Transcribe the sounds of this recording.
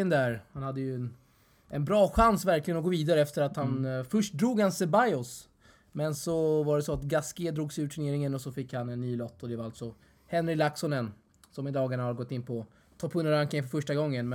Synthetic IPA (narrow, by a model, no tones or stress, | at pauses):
ənd̪æɾhanhad̪ːəjɵɛn | ʔɛnbɾɑːɧansvæɾklɪɡənɔɡoːviːd̪aɾəɛft̪əɾat̪hanfɵʂʈ̚d̪ɾuːɡhansɛbajɔs | mɛnsɔvaɖɛsɔat̪ɡaskeːd̪ɾuːɡsɪʉ̟ːʈʰɵneːɾɪŋənɔsɔfɪkːhanɛnːyːlɔt̪ːɔd̪ɛvaɾalt̪sɔ | hɛnɾɪlaksɔnɛn | sɔmɪd̪ɑːɡaɳahad̪ɡɔt̪ːɪnːpʰɔ | t̪ʰɑːpʰɵnːəɾaŋk̪ːɪŋəfœɾfœʂʈaɡɔŋːənm